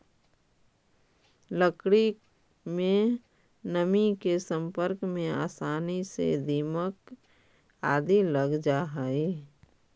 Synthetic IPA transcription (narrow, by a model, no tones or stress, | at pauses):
ləkɽi | mẽ | nəmikesə̃mpəɾkmẽa̰ːsaːnisḛd̪iːmək | aːd̪iləɡd͡ʒaɦai